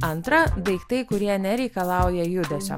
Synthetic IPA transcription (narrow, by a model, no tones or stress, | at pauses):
ɐnt̪ɾɐd̪ɐɪkt̪ɐɪkʊɾʲiɛnʲɛɾʲɛɪkɐlˠɐˑʊjɛjʊd̪ʲɛsʲo̰